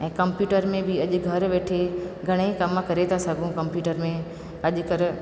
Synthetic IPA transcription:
ɛ̃ːkɐmpjuːʈəɾmẽbɪɐʄʊ̆ɡʱɐɾʋeːʈʰeɡʱɐɽ̃ekɐmkɐɾet̪ʰasɐɡʱũkɐ̃mpjuːʈəɾmẽ | ɐʄʊ̆kɐɾ

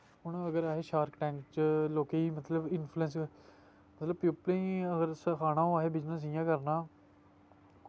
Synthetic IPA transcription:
ɦʊɳ̃əɡəɾaːɦeːʃaːɾkʈɛ̃ːŋkt͡ʃloːkeːiːmət̪ləbɪnpʰluɛ̃ːns | mət̪ləb̚pjuːplẽːəɡəɾsəkʰaːnãːõaːɦeːbɪd͡ʒnə̃s̬ijãːkəɾnãː

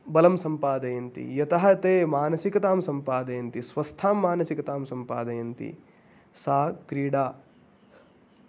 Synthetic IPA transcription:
bɐlɐmsɐmpaːd̪ɐjɐnt̪ḭjɐt̪ɐɦɐt̪eːmaːnɐsikɐt̪aːmsɐmpaːd̪ɐjɐnt̪isʋɐst̪ʰaːmːaːnɐsikɐt̪aːmsɐmpaːd̪ɐjɐnt̪ḭ | saːkɾiːɽaː

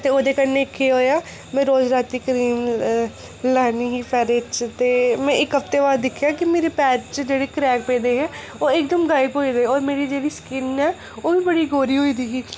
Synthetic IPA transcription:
t̪eːoːd̪eːkəɾneːɪkʰeɦoːjaː | mɛ̃ːɾoːd͡ʒɾaːt̪iːkəɾiːm | laːniːɦiːpʰɛːɾɪt͡ʃt̪eːmɛ̃ːʔɪkɦəft̪eːʋaːd̪d̪ɪkʰːjaːkɪmeːɾeːpɛːt͡ʃt͡ʃd͡ʒeːɽeːkɾɛːk̚peːd̪eːɦɛ̃ː | oːɪkd̪əmɡaːjɪpɦoːideːɔːɾmeːɾiːd͡ʒeːɽiːskɪnɛː | oːʋiːbəɽiːɡoːɾiːɦoːiːd̪iːɡiː

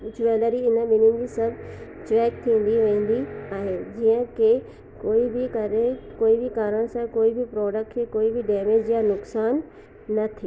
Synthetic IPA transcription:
ʊd͡ʑʰʊʋɛːləɾiɪnəɓɪnɪ̃n̆d͡ʑisɐbʱt͡ɕɾɛːk̚t̪ʰĩːn̆d̪iʋẽːn̆d̪iaːɦed͡ʑiːə̃kʰe | koːibɪkɐɾekoːibɪkaːɾəɽ̃sãkoːibɪpɾɔːɖək̚ʈkʰekoːibɪɖɛːmeːd͡ʑjanʊksaːnː | ɐt̪ʰiː

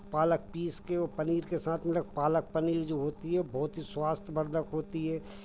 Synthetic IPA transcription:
paːlək̚piːskeoːpəniːɾkesaːt̪ʰmɪlək̚paːlək̚pəniːɾd͡ʒoːɦoːt̪iɦɛbʱɔɦʊt̪ɦiswaːst̪ʰbəɾd̪ʱəkɦoːt̪iɦɛː

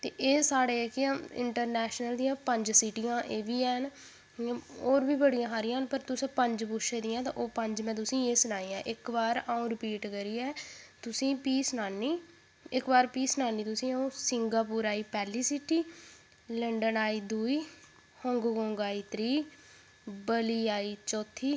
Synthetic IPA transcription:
t̪ḛːʔeːsaːɽeːkɪãːɪ̰ɳʈəɾnɛːʃnəld̪ĩːãːpəɲd͡ʒsiːʈijãːʔeːʋiːɛːn | oːɾbiːbəɽijãːɦaːɾɪjãːnpəɾt̪ʊsːpəɲd͡ʒpʊʃeːd̪iːãːt̪ã̰ːʔoːpəɲd͡ʒmɛ̃ːt̪̬ʊsĩːeːsʊnaːiːãːʔɪkbaːɾaːõːɾɪpiːʈkəɾiːɛːt̪ʊsĩːpiːsnaːniː | ɪkbaːɾpiːsnaːniːt̪ʊsĩːaːõːsɪŋɡaːpuːɾaːiːpɛːliːsiːʈiː | ləɳɖənaːiːd̪uːiː | həŋɡɡõːŋɡaːiːt̪ɾiː | bəliːaːiːt͡ʃɔːt̪ʰːiː

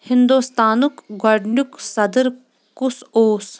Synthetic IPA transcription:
hɪnd̪oːst̪aːnukɡɐɖɳuksɐd̪əɾ | kusoːs

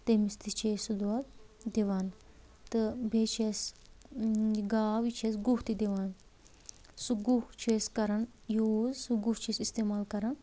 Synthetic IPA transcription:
t̪emist̪it͡ʃʰeːsud̪uɐt̪d̪eʋaːn | t̪ɨbʱeːt͡ʃʰes | ɡaːʋit͡ʃʰesɡuht̪id̪eʋaːn | suɡuht͡ʃʰeːskɐɾɐn | joːzsuɡuht͡ʃʰesist̪eːmaːlkɐɾɐn

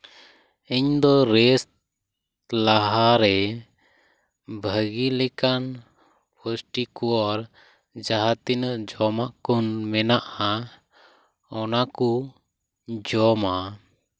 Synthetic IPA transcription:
iɲd̪ɔɾɛst̪ | laɦaɾɛ | bʱəɡilɛkan | pʰɔsʈikɔaɾ | d͡ʒaɦat̪inəʔd͡ʒɔmaʔkɔnmɛnaʔa | ɔnaku | d͡ʒɔma

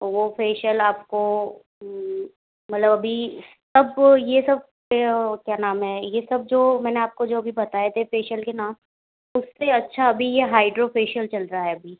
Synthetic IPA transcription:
ʋofʰeːʃəlaːp̚ko | mɐt̪ləbɐbʱi | sɐbjesɐb̚kekjaːnaːmɦɛːjesɐb̚d͡ʒoːmɛːneaːp̚kod͡ʒoːɐbʱibɐt̪aːjet̪ʰefeːʃəlkenaːm | ʊsːeɐtːʃʰaɐbʱijeɦaːɪɖɾofeːʃəlt͡ʃɐlɾaaɦɛɐbʱiː

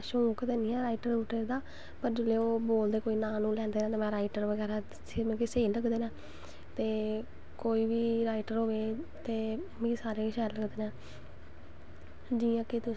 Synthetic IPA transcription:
ʃõːkt̪eːnĩːɛːɾaːɪʈəɾuːʈeɾd̪aː | pəɾd͡ʒɪleːoːboːld̪eːkoːiːnãːnũːlɛ̃ːnd̪eːnãːt̪eːmɛ̃ːɾaːɪʈəɾʋəɡɛːɾaː | semɛ̃ːkɪseːiləɡd̪eːnãː | t̪eː | koːiːʋiːɾaːɪʈəɾɦoːʋeːt̪eː | mĩsaːɾeːɪʃɛːɾləɡd̪eːnɛ̃ː | d͡ʒiːãːkɪt̪ʊ

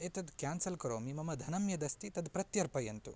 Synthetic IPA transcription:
et̪ɐd̪kjaːnsɐlkɐɾoːmimɐmɐd̪ʱɐnɐmjɐd̪ɐst̪it̪ɐd̪pɾɐt̪jɐɾpɐjɐnt̪ṵ

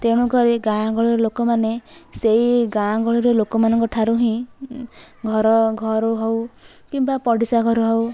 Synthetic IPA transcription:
t̪eɽ̃uɡɔɾiɡãɡɔɭiɾelokɔmanesejɡãɡɔɭiɾelokɔmanʌŋkɔʈʰaɾuɦĩ | ɡʱɔɾɔɡʱɔɾuɦɔwkimbapɔɽisaɡʱɔɾuɦɔw

